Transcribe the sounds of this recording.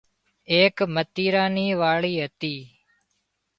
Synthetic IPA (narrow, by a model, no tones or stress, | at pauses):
eːkmət̪iːɾaːniːʋaːɭiːɦət̪iː